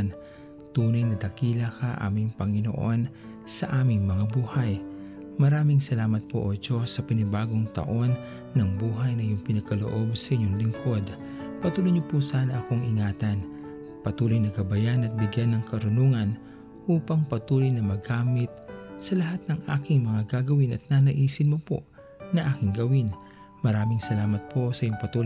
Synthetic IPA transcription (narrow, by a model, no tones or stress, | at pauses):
n | t̪uːnɐjnɐd̪ɐkiːlɐkaʔa̰ːmɪŋpɐŋɪno̰ʔo̞n | sɐʔaːmɪŋmɐŋabuːhɐj | mɐɾaːmɪŋsɐlaːmɐt̪̚poʔod͡ʒo̞sɐpɪnɪbaːɡoŋt̪ɐ̰ʔo̞nː | ɐŋbuːɦɐjnɐjʊŋpɪnɐɡ̚kɐlo̰ʔo̞bsɐʔɪɲoŋlɪŋkʰod̪ | pɐt̪uːlojɲopusaːnɐʔɐko̞ŋʔɪŋaːt̪ɐn | pɐt̪uːlojnɐkɐbɐjanɐt̪̚bɪɡjanːɐŋkɐɾʊnuːŋɐn | ʔuːpɐŋpɐt̪uːlojnɐmɐɡaːmɪt̪̚sɐlɐɦat̪̚nɐŋʔaːkɪŋmɐŋaɡaɡɐwinʔɐt̪̚nanɐʔiːsɪnmopo̰ | nɐʔaːkɪŋɡɐwin | mɐɾaːmɪŋsɐlaːmɐt̪̚pʰo̞sɐjʊŋpɐt̪uːl